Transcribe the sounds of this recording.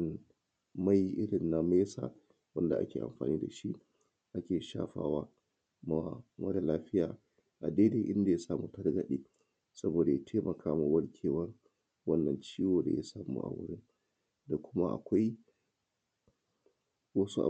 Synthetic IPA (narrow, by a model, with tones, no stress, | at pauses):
n | ma˦ji˨ʔɪ˦ɽɪ˨nːa˦meː˦sa̰˨ | wɐ˦nda˨ʔa̰˦kʲḛː˨ʔa̰˨mɸa̰ː˨niː˦da̰˨ʃi˦ʔ | ʔa˦kʲeː˨ʃa̰ː˦ɸa̰ː˦waː˦ | ma˦mɐ˦da˨laː˦ɸɪ˦jaː˨ | ʔa˨deː˦deː˦ʔɪ˦nda˨ja˦saː˦˨mu˦tɐ˦rɡɐ˨ɗeː˦ | sɐ˦boː˨da˨ja˦tʰeː˦mʔɐ˨kʰaː˦ma˨wɐ˦ɽkʲʰeː˨wɐ˦r | wɐ˦nːɐ˨nt͡ʃiː˦woː˨da̰˨ja̰˦saː˨mṵː˦ʔa̰˨wʊ̰˦ɽɪ˦n | da˨kʷʊ˦ma˦ʔa̰˨kʷa˦j | wɐ˦su˦ʔa̰˨